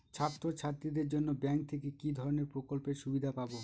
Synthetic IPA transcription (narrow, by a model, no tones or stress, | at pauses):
t͡ɕʰat̪ːɾot͡ɕʰaɾt̪ɾid̪eɾd͡ʑonːobɛŋk̚t̪ʰekekid̪ʱɔɾoneɾpɾokolpeɾʃubid̪ʱapabo